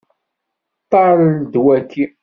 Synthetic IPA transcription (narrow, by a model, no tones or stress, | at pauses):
t̪ˤːɑɾˤd̪wækːi